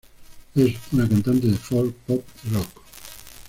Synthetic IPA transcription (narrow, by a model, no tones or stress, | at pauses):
ezunakant̪ant̪eðefɔlpɔpirɔk